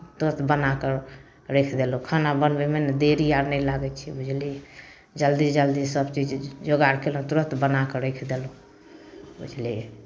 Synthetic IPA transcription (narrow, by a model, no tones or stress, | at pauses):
t̪ɾət̪ʰbənakəɾ | ɾekʰd̪elokʰanabənbɛmened̪eɾijaɾnɛjlaɡɛt͡ʃʰɛbud͡ʒʱli | d͡ʒəld̪id͡ʒəld̪isəbt͡ʃid͡ʒd͡ʒoɡaɾkelũt̪ɾəst̪bənakəɾekʰd̪elo | bṵd͡ʒʱliɛ